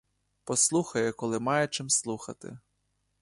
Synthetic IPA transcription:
pɔslˠuxɐjʊkɔlˠɪmɑjɛt͡ʃɪmslˠuxɐ̰t̪ɪ̰

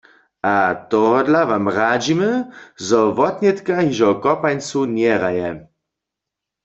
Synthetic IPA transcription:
at̪ɔɦɔdlaʋamʁad͡ʒiməzɔʋɔt̪nʲɛt̪kaɦiʒɔkɔpajnt͡sunjɛʁajɛ

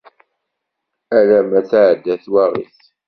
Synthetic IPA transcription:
ælæmæθaʕəd̪ːæθwæʁḭθ

